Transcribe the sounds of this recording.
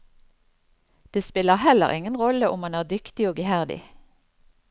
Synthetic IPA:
d̪̥eːspɪləʁhɛlə̰ʁʔɪ̰ŋənʁɔləʔʊmɑnæːʁd̪ʏkt̪ɪoːɡəhæʁd̪ɪ̰

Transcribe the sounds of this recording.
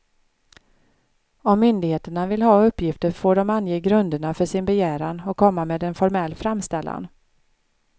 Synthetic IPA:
ɔmːʏnd̪ɪɡheːt̪əɳavɪlɦɑːɵpːjɪft̪əɾfoːɖɔmanjeːɡɾɵnd̪əɳafœʂɪnbɛjæːɾanɔkʰːɔmːameːd̪ɛnfɔɾmɛlːfɾamst̪ɛlːa̰n

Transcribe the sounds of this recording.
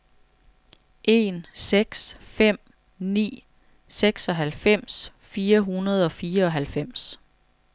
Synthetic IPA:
ʔe̝nseɡ̥sfem̰ | nḭː | seɡ̥sɒ̽ɦælfem̰sfiːɐɦunɐð̞ˠɒ̽fiːɐɒ̽ɦælfem̰s

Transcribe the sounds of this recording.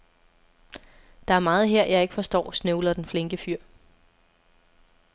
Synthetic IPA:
d̥ɑ̈æɐmɑ̈ːð̞̩ˠɦeɐ̰jɑ̈ɪe̝ɡ̥əfɒ̽sd̥ɒ̰ːsnøʊlɐd̥enfle̝ŋɡ̥əfyɐ̰

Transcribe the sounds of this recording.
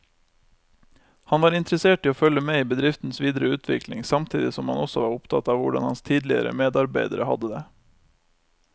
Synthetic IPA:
hɑnʋɑːɾɪnt̪ɾəseːʈiːoːfœləmeːiːbəd̪ɾɪft̪n̩sʋiːd̪əɾəʉːt̪ʰʋɪ̰klɪŋsɑmt̪ʰiːd̪ɪsɔmhɑnɔsɔʋɑːɾʊpt̪ʰɑ̰t̪ɑːʋʋʊɖɑ̰nhɑnst̪ʰiːd̪lɪə̰ɾə̰meːd̪ɑɾbæɪd̪əɾəhɑ̰d̪əd̪eː

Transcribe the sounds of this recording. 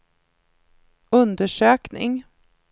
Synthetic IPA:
ɵnd̪əʂøːknɪ̰ŋ

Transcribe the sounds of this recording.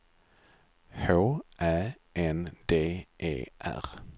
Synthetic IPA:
hoːʔæː | ʔɛnd̪eːʔḛːʔæ̰ʁ

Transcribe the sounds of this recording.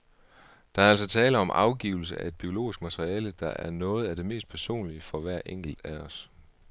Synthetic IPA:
d̥ɑ̈æɐæl̰sɒt͡sʰɛːləɒ̽mʔɑ̈ʊɡ̥ḭːʊl̩s̬əæe̝d̥̚b̥io̝lo̝̰ːisɡ̥mæt͡sʰʁiɛːləd̥ɑ̈ʔæɐnɔ̽ːð̞̩ˠæd̥e̝me̝̰ːsd̥̚pʰæɐso̝̰ːnliəfɒ̽ʋæɐ̰ʔeŋ̰ɡ̥l̩d̥æɒ̽s

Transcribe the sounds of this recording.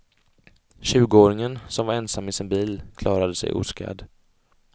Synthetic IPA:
ɕʉ̟ːɡəoːɾɪŋənsɔmvaɾɛnsamːɪsɪnbiːlkʰlɑːɾad̪əsɛ̰jʔṵːska̰d̪

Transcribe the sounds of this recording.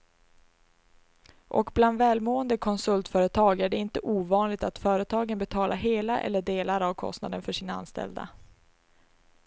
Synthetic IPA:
ʔɔ̰kbland̪vɛːlmoːənd̪əkʰɔnsɵlt̪fœːɾət̪ʰɑːɡæɖɛɪnt̪əʔuːvɑːnlɪɡ̚t̪at̪fœːɾət̪ʰɑːɡənbɛt̪ʰɑːlʔaɦeːlaʔɛ̰lːəɖeːlaɾavkʰɔ̰st̪na̰d̪ənfœʂiːnaa̰nst̪ɛ̰ld̪a̰

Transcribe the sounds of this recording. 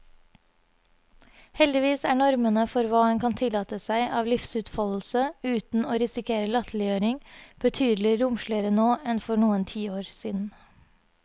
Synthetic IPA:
hɛld̪ɪʋiːsæːɳɔɾmənəfɔɾʋɑːəŋkʰɑnt̪ʰɪlɑːt̪əsæɪʔɑːʋlɪfsʉːt̪fɑll̩səʉːt̪n̩oːɾɪsɪkʰeːɾəlɑt̪ʰlɪøːɾɪŋb̥ət̪ʰyːd̪lɪɾʊmʃɭɪəɾənoːɛnfɔɳuːənt̪ʰiːoːɾsiːd̪n̩

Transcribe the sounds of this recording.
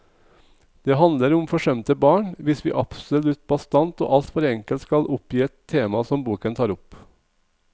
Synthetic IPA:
d̪̥eːhɑnləɾʊmfɔʂœmt̪əbɑːɳʋɪsʋḭːʔɑpsɔlʉt̪̚bɑst̪ɑnt̪o̰ːʔɑlt̪fɔɾɛŋkəlt̪skɑlʔʊpjiːɛt̪ʰːeːmɑsɔmbuːkənt̪ʰɑːɾʊp

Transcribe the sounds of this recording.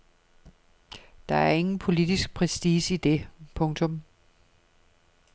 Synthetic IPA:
d̥ɑ̈æɐe̝ŋn̩pʰo̝lid̥isɡ̥̚pʰʁɛsd̥iːsid̥e̝pʰɔ̽ŋt͡sʰɔ̽m

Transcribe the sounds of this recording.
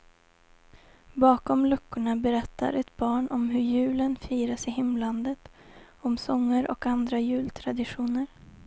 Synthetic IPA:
bɑːkɔmlɵkːʊɳabɛɾɛt̪ʰːa̰ɾʔɛt̪bɑːɳʔɔmɦɵɾjʉ̟ːlənfiːɾasɪɦɪmland̪ət̪ | ɔmsɔŋːəɾʔɔ̰kand̪ɾajʉ̟ːlt̪ʰɾad̪ɪɧuːnəɾ

